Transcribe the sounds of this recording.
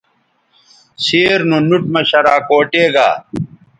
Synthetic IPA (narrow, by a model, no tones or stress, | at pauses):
seːɾnunuʈmɐɕɐɾaːkoːʈeːɡa̰ː